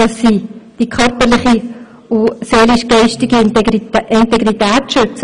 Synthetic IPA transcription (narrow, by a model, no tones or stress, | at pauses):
ɑsːiːd̥ikʰœɾpəlɪχi | ʊseːlɪʃɡ̥ɛɪʃtɪɡi | ɪntɛɡʁitæːtʃʏt͡sə